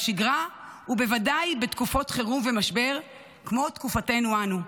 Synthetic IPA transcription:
ʃiɡʁahube̞vadajbetkufo̞tχeʁumve̞maʃbe̞ʁ | kmo̞tkufate̞nuanu

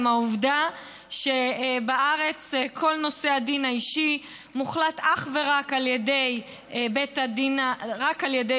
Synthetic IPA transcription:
mauvda | ʃebaʔaʁe̞t͡skʰo̞lno̞se̞adinaiʃi | muχlataχve̞ʁakaljede̞j | betadinaʁakaljede

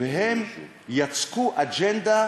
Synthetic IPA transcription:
eɦem | jat͡skuʔad͡ʒɛnd̪a

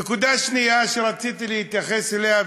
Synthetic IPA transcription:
ekud̪aʃnijaʃeɾat͡sit̪ilihit̪jaχeselea

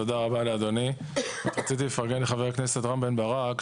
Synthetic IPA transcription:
od̪aʁabaleaːd̪o̞ni | atʁat͡sit̪ilefaʁɡenleχaveʁakne̞set̪ʁambenbaʁak

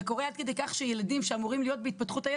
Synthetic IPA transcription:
ko̞ʁead̪̚ke̞d̪e̞jkaχʃeje̞ladimʃeamuʁimlijo̞t̪̚beit̪̚pat̪χut̪aje

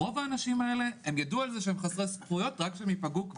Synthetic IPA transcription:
o̞vaːnaʃimaele̞emjadualzeʃeemχasʁespujotʁakʃeemipaɡuk

